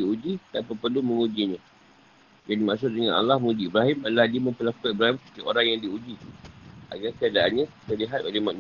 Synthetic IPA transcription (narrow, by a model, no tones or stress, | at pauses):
iud͡ʒit̪apapərlumə̃ŋud͡ʒiɲã | d͡ʒadimaʔsʊʔ̚dəŋãnʔa̰lːahməud͡ʒibɾaɦɪmaladiməmpəlakəibɾaɦimssə̥k̪iʔoɾaŋjaŋdiud͡ʒi | ʔa̰ɡakəadaʔanɲãit̪əliɦat̪olemaʔ